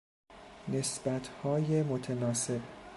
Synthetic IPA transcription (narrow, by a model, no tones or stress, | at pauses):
ne̞sbæt̪ʰhɒːjemot̪ʰenɒːse̞b